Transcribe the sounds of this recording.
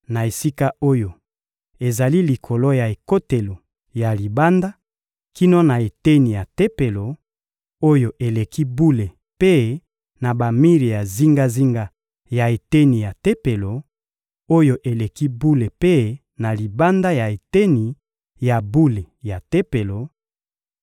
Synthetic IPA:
na˨e˨si˦ka˦o˦jo˨ | e˨za˨li˦li˨kʰo˨lo˦ja˨e˨ko˦te˨lo˨ | ja˨li˨ba˦nda˦ | ki˦no˦na˨e˨te˦ni˨ja˨te˦pe˨lo˨ | o˦jo˦ʔe˨le˨ki˦bu˦le˨ | pe˦ | na˨ba˨mi˦ʁi˨ja˨zi˦ŋɡa˦zi˦ŋɡa˦ | ja˨e˨te˦ni˨ja˨te˦pe˨lo˨ | o˦jo˦ʔe˨le˨ki˦bu˦le˨pe˦ | na˨li˨ba˦nda˦ja˨e˨te˦ni˨ | ja˨bu˦le˨ja˨te˦pe˨lo˨

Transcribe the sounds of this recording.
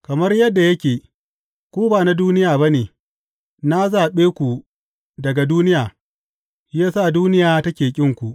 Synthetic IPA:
kɐ˨mɐ˦rjɐ˦dːa˨jɐ˦kʲeː˨ | kʷuː˦baː˨na˦duː˦nɪ˦jaː˨bɐ˦neː˨ | na˦zaː˨ɓeː˦kʷu˨ | dɐ˨ɡa˨duː˦nɪ˦jaː˨ | jaː˦sa˦˨duː˦nɪ˦jaː˨tɐ˦kʲeː˨kʲʼɪ˦ŋkʷu˨ʔ

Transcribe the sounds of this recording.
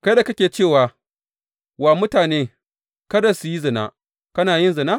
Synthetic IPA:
kɐ˦da˨kɐ˦kʲeː˨t͡ʃeː˦˨waː˨ | wa˨mʊ˦taː˨neː˦ | kɐ˦dɐ˨su˨ji˦zɐ˨na̰˦ | kɐ˦naː˨jɪ˦nzɐ˨na˦

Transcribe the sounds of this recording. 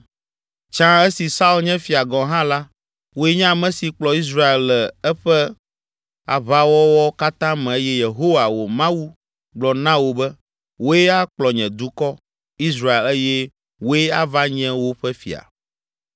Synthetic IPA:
t͡ʃã˦e˦si˨sa˦u˦lɲɛ̃˦fi˨a˨ɡɔ̃˨ɦã˦la˦ | wo˦e˦ɲã˦˨mɛ̃˦si˨k͡plɔ˨i˦s̬ɾa˦e˨llɛ˨ɛ˦ɸɛ˦ | a̰˨βa˦wɔ˦wɔ˦ka˦t̪ã˦mɛ̃˨e˦jɛ˦je˨ɦo˦wa˨wo˨mã˦wu˦ | ɡ͡blɔ˨nã˦wo˨bɛ˦ | wo˦je˦a˦k͡plɔ˨ɲɛ̃˨d̪u˦kɔ˦ | i˦s̬ɾa˦e˨le˦jɛ˦ | wo˦e˦a˦va˦ɲɛ̃˦wo˦ɸɛ˦fḭ˨a̰˨

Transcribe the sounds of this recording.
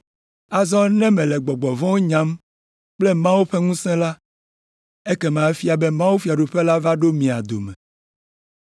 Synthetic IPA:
a˨zɔ̃˦nɛ̃˦mɛ̃˨lɛ˨ɡ͡bɔ˨ɡ͡bɔ˨vɔ̃˦wo˦ɲã˦m | k͡plɛ˦mã˦wo˦ɸɛ˦ŋũ˦sɛ̃˦la˦ | e˦kɛ˦mã˨ɛ˦fi˦a˨be˦mã˦wu˦fi˦a˨ɖu˨ɸɛ˦la˦va˦ɖo˦mĩ˨a̰˨d̪o̰˨mɛ̃˨

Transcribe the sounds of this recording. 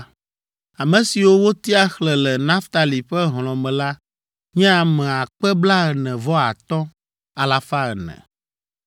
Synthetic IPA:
a˨mɛ̃˨si˨wo˦wo˦t̪i˦a˦xlɛ˨lɛ˨nã˦ft̪a˨li˨ɸɛ˦ɦl̃ɔ̃˨mɛ̃˨la˦ | ɲɛ̃˦a˨mɛ̃˨a˨k͡pɛ˦bla˦ɣə˨nɛ̃˨vɔ˦a˨t̪ɔ̃˦ | a˨la˨fa˦ɣə˨nɛ̰̃˨

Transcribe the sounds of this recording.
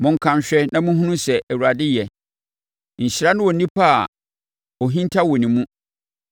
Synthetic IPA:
mʊ̃˨ŋ̩˦kʰã˨mɕᶣɛ˦nã˦mũ˦ɦũ˦nũ˦sɛ˨ʔæ˨wu˨ɾa˨dɪ˦jɛ˨ | ɲ̩˨ɕɪ˨ɾa˦nʊ̃˦wɔ˨nĩ˦pʰa̰˦˨ | ɔ˨ɦĩ˦ntʰa˦wɔ˨nĩ˨mũ˦

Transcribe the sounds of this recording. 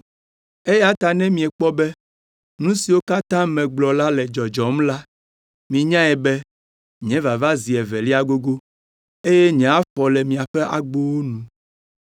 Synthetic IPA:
e˦ja˦t̪a˨nɛ̃˦mĩ˨ɛ˨k͡pɔ˦bɛ˦ | nũ˦si˨wo˦ka˦t̪ã˦mɛ̃˨ɡ͡blɔ˨la˦lɛ˨d͡ʒɔ˨d͡ʒɔ˨mla˦ | mĩ˨ɲã˦ɛ˨bɛ˦ | ɲɛ̃˨˦va˨va˦zi˨ɛ˨vɛ˨li˦a˦ɡo˦ɡo˦ | e˦jɛ˦ɲɛ̃˨˦a˦ɸɔ˨lɛ˨mĩ˨a˨ɸɛ˦ʔa̰˨ɡ͡bo˦wo˦nũ˨

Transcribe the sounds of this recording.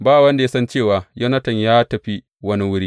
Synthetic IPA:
baː˦˨wɐ˦nda˨ja˦sɐ˦nt͡ʃeː˦˨waː˨jɐ˦nɐ˦tɐ˨ɲjaː˦tɐ˨ɸi˦ | wɐ˦ni˦wʊ˦ɽiː˦

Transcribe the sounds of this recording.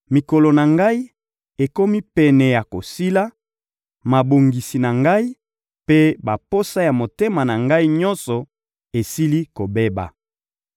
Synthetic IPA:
mi˨kɔ˨lɔ˨na˨ŋɡa˦i˦ | e˨ko˦mi˦pɛ˨nɛ˨ja˨ko˨si˦la˦ | ma˨bo˨ŋɡi˨si˨na˨ŋɡa˦i˦ | pe˦ba˨po˦sa˦ja˨mo˨te˦ma˨na˨ŋɡa˦i˦ɲɔ˦nsɔ˨ | e˨si˦li˦ko˨be˦ba̰˨

